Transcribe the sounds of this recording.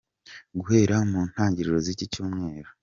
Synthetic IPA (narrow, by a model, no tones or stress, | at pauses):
ɡuhe̞ːɾamuːn̥haːɲɟiɾiɾozicicuːmŋe̞ːɾo